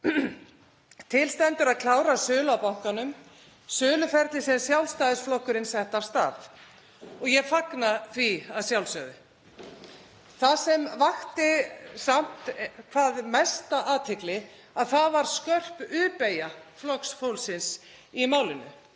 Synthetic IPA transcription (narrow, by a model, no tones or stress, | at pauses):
t̪ʰɪlst̪ɛnt̪ʏɾaðkʰl̥aːwɾasʏːlawpawŋ̥kanʏm | sʏːlʏfɛɾt̪lɪsɛmsjawlst̪aːðɪsflɔhkːʏɾɪnsɛht̪ast̪a̰ːθ | ɔɣjɛfaknaθviaðsjawlsœːðɪ | θasɛmvaxt̪ɪsam̥t̪kʰvaːðmɛst̪aʔaːt̪ʰɪklɪ | aðθaðvaɾ̥skœr̥pʏːpejaflɔksfowlsɪns | imaːwlɪnʏ̰